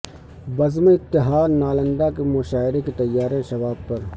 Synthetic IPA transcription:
bɐzmeɪt̪ːɪɦaːd̪naːlə̃nd̪akemʊʃaːɪɾeket̪ɐjːaːɾẽʃɐʋaːb̚pɐɾ

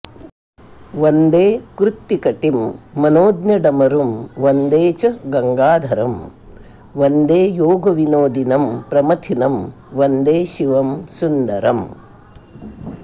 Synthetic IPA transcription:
ʋɐnd̪eːkɾut̪ːikɐʈimːɐnoːd̪nɐɖɐmɐɾumʋɐnd̪eːt͡ʃɐɡɐŋɡaːd̪ʱɐɾɐm | ʋɐnd̪eːjoːɡɐʋinoːd̪inɐmpɾɐmɐt̪ʰinɐm | ʋɐnd̪eːʃiʋɐmsund̪ɐɾɐm

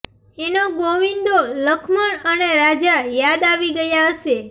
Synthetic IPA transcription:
enoɡoʋind̪oləkʰməɳəneɾad͡ʒajad̪aʋiɡəjaɦəʃe

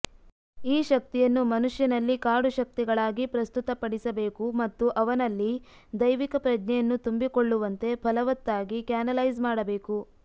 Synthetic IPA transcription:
iːʃɐk̚t̪ijɐnːumɐnuʂjɐnɐlːikaːɾɖuʃɐk̚t̪iɡɐɭaːɡipɾɐst̪ut̪ɐpɐɽisɐbe̞ːkumɐt̪ːuʔɐʋɐnɐlːi | d̪ɐjʋikɐpɾɐd͡ʒnɛjɐnːut̪umbikoɭːuʋɐnt̪e̞pʰɐlɐʋɐt̪ːaːɡikjaːnɐlɐjzmaːɽɐbe̞ːku

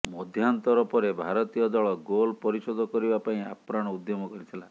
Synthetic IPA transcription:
mɔd̪ʱjant̪ɔɾɔpɔɾebʱaɾɔt̪ijɔd̪ɔɭɔɡolpɔɾisod̪ʱɔkɔɾibapaĩa̰pɾaɽ̃ɔud̪jomɔkɔɾit̪ʰila

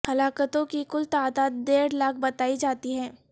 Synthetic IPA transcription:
hɐlaːkət̪õkikʊlt̪aːd̪aːt̪̚d̪eːɾlaːk̚bɐt̪aːid͡ʒaːt̪iɦɛ̃ː

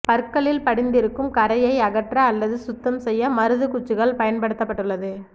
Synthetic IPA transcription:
pɐɾkːɐɭɪlpɐɽɪnd̪ɪɾɯkːɯmkɐɾɐjɐɪɐɣɐʈrɐːlːɐðɯsʊt̪ːɐmsɛjːɐmɐɾɯðɯkʊt͡ʃːɯɣɐɭpɐjɐnpɐɽɯt̪ːɐpːɐʈːɯɭːɐðɯ

